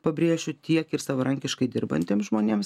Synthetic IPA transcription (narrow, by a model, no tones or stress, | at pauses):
pɐbʲɾʲeːʒʲʊt̪ʲiɛkɪɾsɑːʋɐɾɐŋʲkʲɪʃkɐɪd̪ʲɪɾbɐ̰nʲt̪ʲeːmsʒmoːnʲeːms